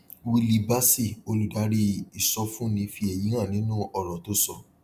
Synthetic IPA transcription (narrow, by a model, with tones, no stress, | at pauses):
wi˧li˧ba˦si˦˨o˧lu˨da˨˦ɾi˧i˨sɔ˧fũ˦nĩ˧fi˧ɛ˨ji˨˦ɾ̃ã˦˨nĩ˦nũ˦ɔ˧˨ɾɔ˨to˦sɔ˦˨